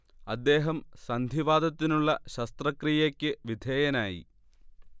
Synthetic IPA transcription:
ɐd̪ːe̞ːɦɐmsɐnd̪ʱiʋaːd̪ɐt̪ːinuɭːɐɕɐst̪rɐkrijekʲːɨʋid̪ʱeːjɐnaːjḭ

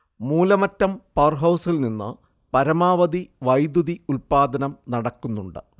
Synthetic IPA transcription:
muːlɐmɐtːɐmpɐrɦɐwsilninːɨ̰ | pɐɾɐmaːʋɐd̪iʋɐjd̪uðiulpaːd̪ɐnɐmnɐɽɐkːunːuɳɖɨ̰

